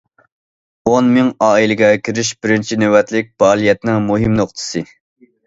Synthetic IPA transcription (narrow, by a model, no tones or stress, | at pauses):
onmɪŋɑːilɨɡʲɛkʲiɾɪʃb̥ɪɾɪnt͡ʃʰinøwɛt̪lɪk̚ʲb̥ɑːlˠijɛt̪nɪŋmuɦɪmnoqt̪ʰɨ̥sɨ